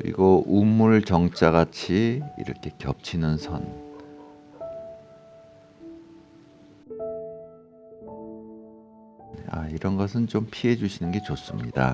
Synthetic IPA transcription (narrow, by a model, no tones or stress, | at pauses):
kɯɾḭɡoʔumːuɭt͡ɕʌŋt͡ɕ͈aɣat͡ɕʰiḭɾʌkʰe̞kjʌ̰p̚t͡ɕʰinɯnsʰʌn | a̰iɾʌnɡʌsʰɯnt͡ɕompʰiɦe̞d͡ʑuɕʰinɯnɡe̞t͡ɕos͈ɯmɲida̰